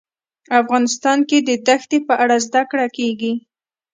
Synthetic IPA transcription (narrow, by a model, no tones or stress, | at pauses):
afɣɑnɪs̬t̪ɑnked̪əd̪axt̪epəʔaɽazd̪akɽakeɡi